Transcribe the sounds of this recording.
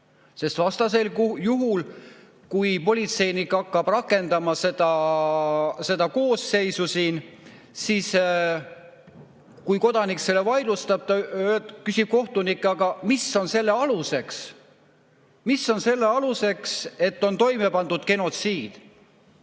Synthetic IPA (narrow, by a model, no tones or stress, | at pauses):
se̞st̪vɑst̪ɑs̬e̞ljuɦul | kujpo̞lʲit̪se̞jnikːɑkːɑb̥rɑkːˑe̞nd̪ɑmɑse̞d̪̥ɑ | se̞d̪̥ɑko̞ːsːe̞jsusiːn | siːs | kujko̞d̪ɑnikse̞lːevɑjlust̪ɑb̥̚t̪ɑkysib̥̚ko̞ht̪unikːɑɡ̥ɑmisːo̞nse̞lːe̞ɑluse̞ks | misːo̞nse̞lːe̞ɑluse̞kse̞t̪ːo̞nt̪o̞jme̞pɑnd̪̥ud̪̥ke̞no̞t̪siːd̪̥